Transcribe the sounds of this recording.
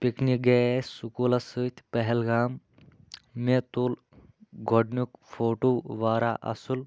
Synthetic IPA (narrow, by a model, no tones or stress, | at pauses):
piknik̚ɡessukuːlɐsɨt̪ʲpɐɦɛlɡaːmː | et̪ul | ɡʱoɖnukfoʈoʋaːɾaʔɐ̰sul